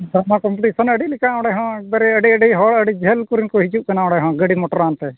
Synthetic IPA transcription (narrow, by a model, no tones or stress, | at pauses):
d̪amakɔmpuʈisɔnəɖilikaɔ̃ɽɛɦɔ̃ɛk̚baɾɛəɖiəɖiɦɔɭəɖid͡ʒʱɛlkuɾinkɔɦid͡ʒuʔkanaɔ̃ɽɛɦɔ̃ɡəɽimɔʈɔɾant̪ɛ